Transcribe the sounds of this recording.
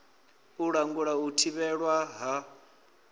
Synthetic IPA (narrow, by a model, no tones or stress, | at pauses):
uɺaŋɡuɺautʰiβɛɺwaɦa